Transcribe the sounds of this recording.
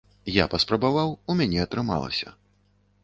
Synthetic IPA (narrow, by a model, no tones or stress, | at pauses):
ja̰pɐspɾɐbavawumʲanʲɛɐt̪ɾɨma̰lˠɐ̰sʲɐ̰